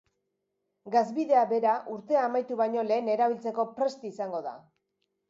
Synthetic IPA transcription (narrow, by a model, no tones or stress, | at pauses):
ɡazβiðe̞aβe̞ɾaʔuɾt̪e̞aːmajt̪uβajɲo̞le̞ːne̞ɾaβilt͡se̞ko̞pɾe̞st̪isaŋɡo̞ða̰